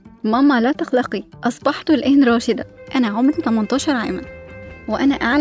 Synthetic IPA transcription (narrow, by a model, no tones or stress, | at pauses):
mɑmːɑlæːt̪ɑxlɑqiʔɑsˤbɑħt̪olʔehnɾˤɑːʃed̪ɑʔænæʕomɾit̪æmɑnt̪ˤɑːʃɑɾˤʕa̰ːmænweʔænæʔaʕl